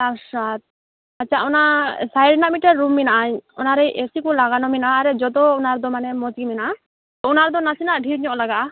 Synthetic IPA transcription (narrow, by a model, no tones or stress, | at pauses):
aʃat̪̚ | atːt͡ʃʰaunasajɖnamiʈaɾːumːinaʔaɲɔ̰naɾɛjʔesikulaɡanɔminaːɾɛd͡ʒɔd̪ɔːnaɾd̪ɔmanɛmɔd͡ʒɡiminaʔa | t̪ɔunaɾd̪ɔnasinaʔɖʱiɾɲɔʔlaɡa